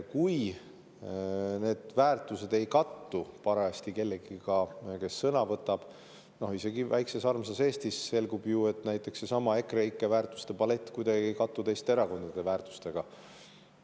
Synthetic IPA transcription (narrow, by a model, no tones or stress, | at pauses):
kuj | ne̞ːd̪̥væːrt̪ˑuse̞d̪e̞jkɑt̪ːupɑɾɑest̪ike̞lːeɡ̥iɡ̥ɑke̞sːɤnɑvɤt̪ːˑɑb̥ | no̞hise̞ɡivæjkse̞sɑrmsɑse̞ːst̪isːe̞lɡubjue̞t̪næjt̪ːˑe̞ksesɑmɑe̞kreikːˑevæːrt̪ːˑu̥st̪e̞pɑle̞t̪ːˑkujd̪ɑɡiejkɑt̪ːut̪e̞jst̪eeɾɑko̞nd̪̥ɑd̪̥e̞væːɾrt̪u̥st̪e̞ɡ̥ɑ